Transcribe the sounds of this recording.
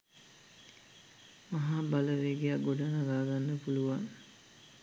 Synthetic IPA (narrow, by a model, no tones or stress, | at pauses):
mɐɦaːbaləʋeɡeaɡoɖanaɡaːɡanːəpuluʋaŋ